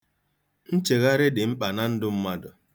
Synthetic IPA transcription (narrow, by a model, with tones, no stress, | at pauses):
n̩˦t͡ʃe˨ɣa˦ɾɪ˦dɪ˨m̩˦k͡pa˨na˦n̩˦dʊ˦m̩˦ma˦dʊ˨